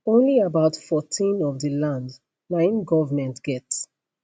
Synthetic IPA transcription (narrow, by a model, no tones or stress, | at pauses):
õnliabaʊtfɔtʰĩnɔvdəlãnd | nãɪ̃nɡɔvəmɛ̃ntɡ̥ɛts